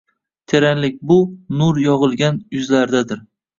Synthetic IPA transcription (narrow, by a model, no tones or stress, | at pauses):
t̪ʰe̞ɾanlɪk̚ʲbʊnʊɾjɒʁɨlˠɡʲanjʊzlaɾd̪ad̪ɪɾ